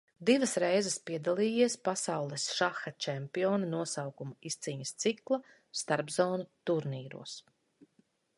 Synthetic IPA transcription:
d̪ivɐsɾɛjzɛspiɛd̪alˠiːjiɛspasawlˠɛsʃaxɐt͡ʃɛmpiɔːnɐnuɔsawkumaist̪siːɲɐst̪siklˠɐ | st̪aɾbzɔːnut̪uɾniːɾṵɔs

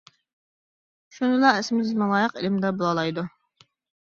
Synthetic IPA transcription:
ʃunɨlˠɑɛsɪmɪzmɑlˠɑːjəqelɪmd̪ɛbolˠɑlˠɑjd̪u

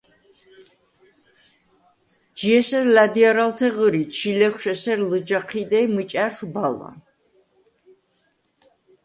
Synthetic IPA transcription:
d͡ʒiɛsɛɾlad̪iaɾalt̪ʰɛʁəɾit͡ʃʰilɛkʷʰʃɛsɛɾləd͡ʒaqʰid̪ɛmət͡ʃʼaɾʃbala̰

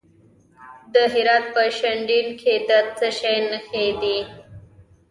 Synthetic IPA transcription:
d̪əɦɪɾɑt̪̚pəʃaɳɖinkʰed̪at̪t͡səʃajnəxed̪i

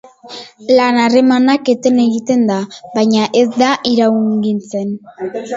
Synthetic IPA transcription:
lanare̞manake̞t̪e̞ne̞ɣit̪e̞nd̪aβajɲaʔe̞zd̪aʔiɾawŋɡint͡se̞n

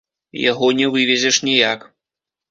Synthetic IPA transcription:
ja̰ɣɔnʲɛvɨvʲɛzʲɛʂnʲijak

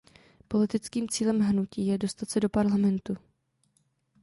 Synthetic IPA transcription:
po̞lɪt̪ɪt͡skiːmt͡siːlɛmɦnuciːjɛdo̞st̪at̪t͡sɛdo̞paɾlamɛnt̪u

